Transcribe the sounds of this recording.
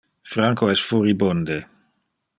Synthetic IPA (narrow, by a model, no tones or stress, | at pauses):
fɾaŋkoɛsfuɾibond̪e